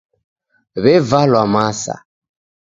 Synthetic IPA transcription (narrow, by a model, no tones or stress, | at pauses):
βɛvalwamasa̰